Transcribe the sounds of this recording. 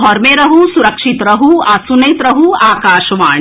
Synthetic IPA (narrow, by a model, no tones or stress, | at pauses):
ɦɔːɾmẽɾɐɦusuɾɐkʃit̪ɾɐɦuaːsunɐjt̪ɾɐɦuaːkaːʃʋaːɳ